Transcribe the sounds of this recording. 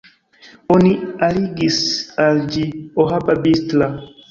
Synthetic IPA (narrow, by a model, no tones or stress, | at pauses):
onialiɡisald͡ʒioɦababistla